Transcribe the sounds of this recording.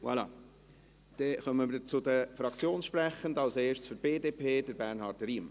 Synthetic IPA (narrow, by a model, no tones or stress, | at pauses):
wa̰lɑ̰ | d̪̥ɛχœməmət͡sʊd̪əfɾɑkt͡sjoːnsʃpɾæχəndɑlseːʃtsfyɾtb̥eːdeːpʰeːd̥əɾbærnɦɑɾtriːm